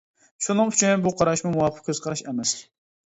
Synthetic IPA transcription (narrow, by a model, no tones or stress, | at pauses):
ʃunɨŋyt͡ʃʰinbuqʰɑɾɑʃmumuwɑpʰə̥q̚kʰʲøz̥qʰɑɾɑʃɛmɛs